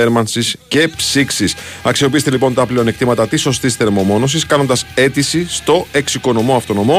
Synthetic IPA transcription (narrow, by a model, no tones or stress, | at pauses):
eɾmɐnsisce̞psiksis | ɐksio̞piist̪e̞lipo̞nt̪ɐplio̞nek̚t̪imɐt̪ɐt̪iso̞st̪isθe̞ɾmo̞mo̞no̞s̬iskɐno̞nd̪ɐse̞t̪isist̪o̞e̞ksiko̞no̞mo̞ɐft̪o̞no̞mo̞